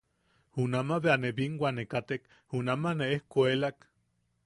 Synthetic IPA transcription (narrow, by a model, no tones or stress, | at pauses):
hunamaβeaneβiŋɡwʷanekat̪ek | hunamaneehkoelak